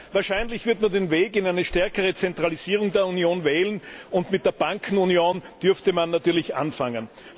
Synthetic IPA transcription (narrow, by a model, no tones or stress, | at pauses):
vaːɐʃæɪnlɪçv̥ɪɐtmandenveːkɪnæɪnəʃtɛɐkəʁ̞ət͡sɛntʁ̥aliziːʁ̞ʊŋdeːɐunjoːnvɛːlənʊntmɪt̚d̥eːɐb̥aŋkʰn̩unjoːnd̥ʏɐftəmanːatyːɐlɪçʔa̰nfaŋən